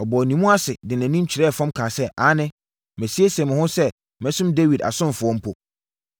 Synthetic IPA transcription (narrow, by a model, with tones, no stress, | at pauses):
ɔ˨bɔ˨nĩ˨mũ˦a˦sɪ˨dɪ˨næ̃˨nĩ˦m˦t͡ɕʰɪ˨ɾɛ˦˨fɔ̃˦mkʰaː˨sɛ˦ʔa˨˦nɪ̃˦ | mɛ̃˨si˦e˦sɛ˨mʊ̃˨hʊ̃˦sɛ˦ | mɛ̃˦sʊ̃˦mde˦wi˨da̰˨sʊ̃˦n˨fʊ˨ɔ̃˦m̩˦pʰɔ˨